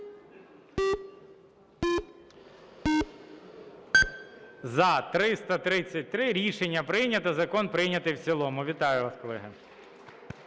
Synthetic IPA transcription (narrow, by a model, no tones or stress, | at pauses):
zɐt̪ɾɪst̪ɐt̪ɾɪt͡sʲːɐt̚ʲt̪ɾɪɾʲiʃenʲːɐpɾɪjnʲɐt̪ɐzɐkɔnpɾɪjnʲɐt̪ɪjwt͡sʲilˠɔmʊʋʲit̪ɑjʊʋɑskɔlˠɛ̰ɦɪ̰